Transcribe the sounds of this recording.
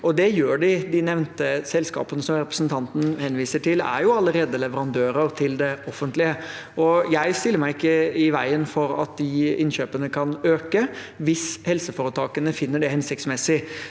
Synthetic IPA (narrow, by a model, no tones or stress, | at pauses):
ʔɔd̪ɛjøːɖɪd̪ɪnɛʋnt̪əsɛlskɑ̰ːpənəsɔmɾɛpɾəsnt̪ʰɑnt̪n̩hɛnʋiːsəʈʰɪlæ̰ɾjʊɑlːəɾeːd̪əlɛʋəɾɑnd̪øːɾəɾt̪ʰɪld̪ɛɔfənt̪lɪəɔjæɪst̪ɪlːəɾmæɪɪkːəɪʋæɪənfɔɾɑ̰t̪̚d̪ɪɪnɕøːpənəkʰɑnøːkəʋɪshɛlsəfoːɾət̪ʰɑːkənəfɪnːəɖɛhɛnsɪkt̪smɛsɪ